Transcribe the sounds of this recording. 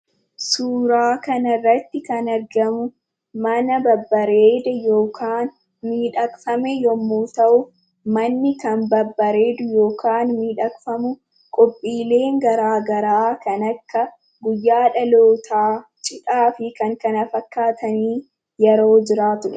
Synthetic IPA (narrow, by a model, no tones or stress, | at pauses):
suːɾaːkɐnɐrːɐt̪ːɪkɐnɐɾɡɐmʊ | mɐnɐbɐbːɐɾeːd̪ɛjo̞ːkʰaːn | miːᶑɐkfɐmɛjɔmːuːt̪ɐʔʊ | mɐnːɪkɐnbɐbːɐɾe̞ːd̪ʊjo̞ːkaːnmiːᶑɐkʼfɐmʊ | kʼɔpʼːiːle̞ːŋɡɐɾaːɡɐɾaːkɐnɐkːɐ | ɡʊjːaːᶑɐloːt̪ʰaːt͡ʃʼɪᶑaːfɪkɐŋkɐnɐfɐkːaːt̪ɐniː | jɛɾo̞ːd͡ʒɪɾaːt̪ʊᶑɛ